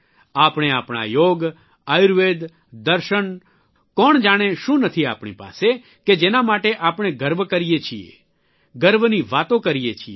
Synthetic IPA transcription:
aːpɽ̃eaːpɽ̃a̰joɡ | ajɾʋed̪ | d̪əɾʃəɳ | kɔːɳ̃d͡ʒaɽ̃eʃũnət̪ʰia̰ːpɽ̃ḭpa̰se | ked͡ʒenamaʈeʔapɽ̃eɡəɾʋkəɾijet͡ʃʰiḛ | ɡəɾʋniʋat̪õkəɾijet͡ʃʰie

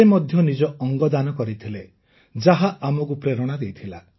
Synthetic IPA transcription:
emɔd̪ʱjɔnid͡ʒɔɔŋɡɔd̪anɔkɔɾit̪ʰile | d͡ʒaɦaʔamɔk̬upɾeɾɔɽ̃ad̪ejt̪ʰila

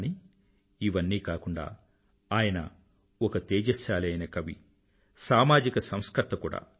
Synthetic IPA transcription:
ni | iʋɐnːiːkaːkuɳɖa̰ː | aːjɐnɐ̰ | ɔkɐt̪eːd͡ʒɐʃjaːlɐjnɐkɐʋḭ | saːmaːd͡ʒikɐsɐmskɐt̪ːɐkṵːɽa̰ː

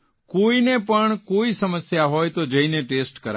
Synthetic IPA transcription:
koːinẽpəɳkoːisəməsjaɦoːjt̪od͡ʒẽinẽʈeːsʈkəɾa

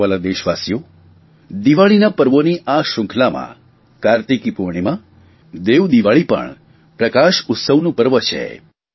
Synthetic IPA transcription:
alad̪eʃʋasjo | d̪iʋaɭinapəɾʋoniʔaʃʊ̃ŋkʰlamã̰ | kaɾt̪ikipuɾɳ̃imã | d̪eʋd̪iʋaɭipə̰ɳ | pɾəkaʃʊt̪səʋnũpəɾʋət͡ʃʰḛ

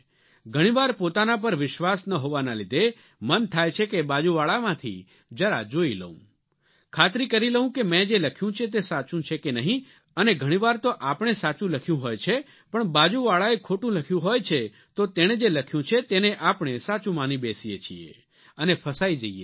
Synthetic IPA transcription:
ɡʱəɽ̃iʋaɾpot̪anap̬əɾʋɪʃʋasnəɦoʋanalid̪ʱe | mənt̪ʰajt͡ʃʰekebad͡ʒuʋaɭamãt̪ʰḭ | d͡ʒəɾa̰d͡ʒoilə̰ɦṵ̃ | kʰat̪ɾikəɾiləɦũkemɛ̃d͡ʒeləkʰjũt͡ʃʰet̪̬esat͡ʃũt͡ʃʰekenəɦĩ | əneɡʱəɽ̃ĩʋaɾt̪oʔapɽ̃esat͡ʃũləkʰjũɦojt͡ʃʰe | pəɳbad͡ʒuʋaɭaekʰoʈũləkʰjũɦojt͡ʃʰe | t̪ot̪eɽ̃ed͡ʒeləkʰjũt͡ʃʰet̪eneʔapɽ̃esat͡ʃũmanĩbesijet͡ʃʰiḛ | ənepʰəsaid͡ʒəiḛ

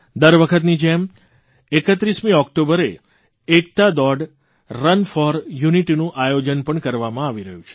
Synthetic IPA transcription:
d̪əɾʋəkʰət̪nid͡ʒɛm | ekət̪ɾismĩɔkʈobəɾe | ek̚t̪ad̪ɔɖː | ənfɔɾjuniʈinũʔajod͡ʒənpəɳkəɾʋamãaʋiɾəɦũt͡ʃʰe̥

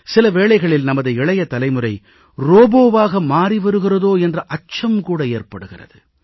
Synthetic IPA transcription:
sɪlɐʋeːɭɐɪɣɐɭɪlnɐmɐðɐɪɪɭɐjɐt̪ɐlɐɪmɯrɐɪ | roːboːʋaːɣɐmaːɾiʋɐɾɯɣɪrɐðoːɛndrɐʔɐt͡ʃɐmkuːɽɐeːrpɐɽɯɣɪrɐ̰ðɯ

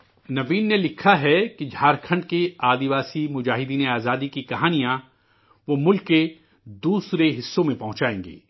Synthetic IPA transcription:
nɐʋiːnːelɪkʰaɦɛkid͡ʒʱaːɾkʰə̃ɳɖkeaːd̪iʋaːsimʊd͡ʒaːɦɪd̪iːneaːzaːd̪ikikɐɦaːnijã | ʋomʊlkːe | d̪uːsɾeɦɪsːõmẽpɐɦʊ̃t͡ʃaːḛ̃ːŋɡḛː

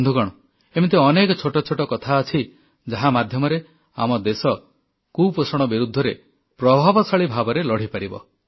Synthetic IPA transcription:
nd̪ʱuɡɔɽ̃ɔ | emit̪̬eɔnekɔt͡ʃʰoʈɔt͡ʃʰoʈɔkɔt̪ʰaɔt͡ʃʰi | d͡ʒaɦamad̪ʱjɔmɔɾe | a̰mɔd̪esɔ | kuposɔɽ̃ɔbiɾud̪ʱːɔɾe | pɾɔbʱabɔsɔɭibʱabɔɾelɔɽ̤ipaɾibɔ̰

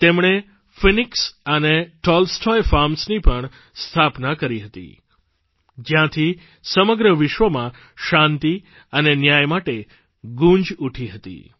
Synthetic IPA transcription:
t̪emɳ̃e | finɪksəneʈɔlsʈʰɔjfaɾmsnipəɳ | st̪ʰapnakəɾiɦət̪ḭ | d͡ʒjãt̪ʰi | səməɡɾəʋɪʃʋəmã | ʃãnt̪i | ənenjajmaʈe | ɡũnd͡ʒuʈʰiɦət̪ḭ

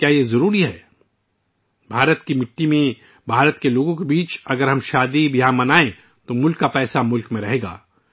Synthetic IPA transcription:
kjaːjezɐɾuːɾiɦɛː | bʱaːɾət̪kimɪʈːimẽ | bʱaːɾət̪keloːɡõkebiːt͡ʃɐɡəɾɦɐmʃaːd̪ibjɐɦãmɐnaːẽ | t̪omʊlkːapɛːsamʊlkmẽɾɐɦeːɡa̰ː

